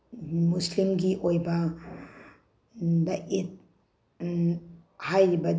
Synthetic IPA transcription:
muslimɡiʔojbɐ | daʔit̚ | hajibɐd

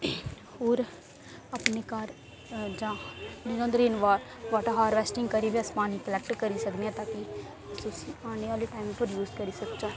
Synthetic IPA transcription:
hoːɾ | apneːkaɾ | d͡ʒãːnɪnə̃nd̪ɾiːnʋaːɾʋaːʈaɦaːɾʋɛːsʈɪŋɡkəɾiːʋiaspaːniːkəlɛk̚ʈkəɾiːsəkd̪iɛ̃ːt̪ãːki | sʊsiːaːneːʋaːliːʈaːɪmpəɾjuːzkəɾiːsəkt͡ʃaː

